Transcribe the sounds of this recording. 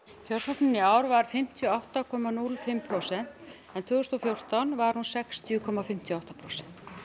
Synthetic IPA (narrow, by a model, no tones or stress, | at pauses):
çʰœr̥sɔpnɪnːɪaːwɾvaɾ̥fɪm̥t̪ʰjɔawht̪akʰɔmanulfɪmːpʰɾosɛn̥t̪ | ɛnt̪ʰvʏːɣʏst̪ɔfjowr̥t̪anvaɾ̥hunsɛkst̪ʰjʏkʰɔmafɪm̥t̪ʰjɔawht̪apʰɾowsɛ̥n̥t̪